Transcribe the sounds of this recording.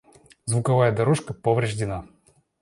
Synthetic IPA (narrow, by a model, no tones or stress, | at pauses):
zvʊkɐvajəd̪ɐɾoʂkəpəvɾʲɪʐdʲɪna